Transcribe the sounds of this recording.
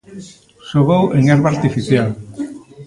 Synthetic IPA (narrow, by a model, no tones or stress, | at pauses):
soβoweŋeɾβaɾt̪ifiθjal